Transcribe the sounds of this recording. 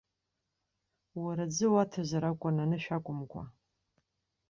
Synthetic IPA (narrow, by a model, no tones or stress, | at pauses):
waɾad͡zɨwatʰazaɾakʷʼananɨʃᶣakʷʼʊmkʷʰa̰